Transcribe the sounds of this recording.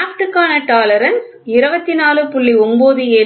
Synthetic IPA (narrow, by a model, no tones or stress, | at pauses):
kʈɯkːaːnɐʈaːlɐɾɐns | ɪɾɯbɐt̪ːinaːlɯpʊɭːiɔmboːðɯeː